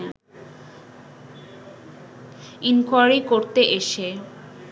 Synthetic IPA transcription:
inkajɾikoɾt̪eʔeʃe

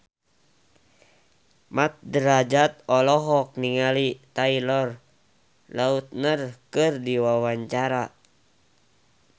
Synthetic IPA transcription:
mat̪̚dəɾad͡ʒat̪̚ɔlɔɦɔk̚niŋalit̪ailɔr | laut̪̚nərkɨrdiwawaɲt͡ʃaɾa

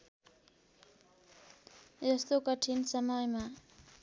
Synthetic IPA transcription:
d͡zʌst̪okʌʈʰinsʌmʌjma

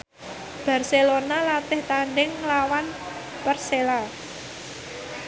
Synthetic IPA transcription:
b̥a̤rselonalat̪ɪht̪aɳɖɪŋlawan | pərsela

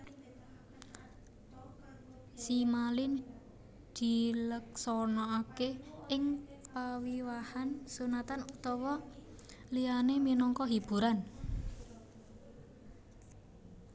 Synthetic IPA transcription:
simalɪn | d̪̥i̤lək̚sɔnɔakeɪŋpawiwahansunat̪anut̪ɔwɔ | lianeminɔŋkɔɦib̥ṳɾan

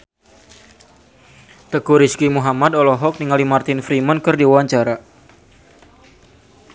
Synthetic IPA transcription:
t̪əkuɾiskimuɦamad̪ɔlɔɦɔk̚niŋalimart̪ɪnfɾimənkɨrdiwawaɲt͡ʃaɾa

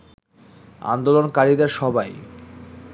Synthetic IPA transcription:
a̰nd̪olonkaɾid̪eɾʃɔbaj

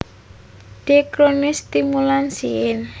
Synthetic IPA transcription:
d̪̥e̤kɾonɪst̪imulansiɪn

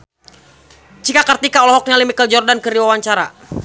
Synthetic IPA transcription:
t͡ʃikakərt̪ikaɔlɔɦɔk̚nalimikəld͡ʒɔrdankəɾiwawaɲt͡ʃaɾa̰

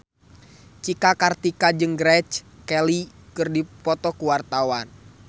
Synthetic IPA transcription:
t͡ʃikakart̪ikad͡ʒɨŋɡɾɛt͡ʃkɛli | kɨrdipɔt̪ɔkuwart̪awan

